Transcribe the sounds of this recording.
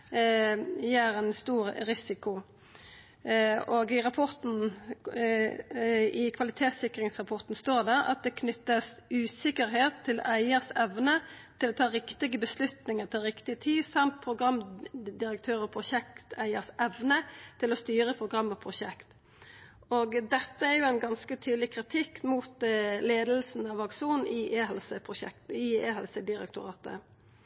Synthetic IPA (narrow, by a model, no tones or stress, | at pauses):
jeːɾɛnst̪uːʁɾɪsɪkʊ | oɡɪʁɑpʰɔʁt̪n̩ | ɪkʰʋɑlɪt̪ʰeːt̪sɪkɾɪŋsʁɑpʰɔʁt̪n̩st̪oːʁd̪æʁɑ̰t̪̚d̪ɛkʰnʏt̪ːəsʉːsɪkəɾɦeːt̪ʰːɪlæɪəʁsɛʋnət̪ʰɪlɔːt̪ʰɑːʁɪkt̪ɪɡəbəslʉt̪nɪŋəʁt̪ʰɪlʁɪkt̪ɪət̪ʰiːsɑmt̪̚pʰɾʊɡʁɑmd̪ɪɾək̚t̪ʰøːɾɔpʰʁʊʃɛk̚t̪æɪəʁsɛʋnət̪ʰɪlɔst̪yːɾəpʰʁʊɡʁɑmːəpʰʁʊʃɛkt̪ | oːɡd̪ɛt̪ːəæʁjʊæɪnɡɑnskət̪ʰyːd̪l̩ɪkʰʁɪt̪ʰɪkːmuːt̪leːd̪lsn̩ɑʋɑkʂuːnn̩ɪʔeːhɛlsəpʰʁʊʃɛ̰k̚t̪ɪeːhɛlsəd̪ɪɾɛ̰kt̪ʊʁɑ̰ːt̪ə̰